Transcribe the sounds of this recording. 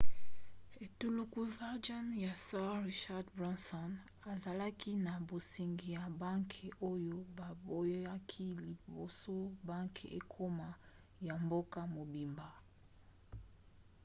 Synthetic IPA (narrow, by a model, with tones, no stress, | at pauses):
e˨tu˦lu˦ku˨˦va˦ʁd͡ʒɔ˦nja˨sɛ̃˦ʁi˦ʃa˦dbʁɔ˦nsɔ˦n | a˨za˨la˦ki˦na˨bo˨si˨ŋɡi˨ja˨ba˦ŋkʰe˨ʔo˦jo˦ba˨bo˦ja˦kʰi˦li˨bo˨so˦ba˦ŋkʰe˨ʔḛ˦˨kʰo˦ma˨ | ja˨mbo˦ka˦mo˨bi˨mba˨